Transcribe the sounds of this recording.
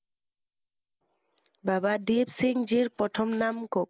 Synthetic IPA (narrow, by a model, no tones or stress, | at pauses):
babadibsiŋd͡ʑiɾpɔt̪ʰomnamkok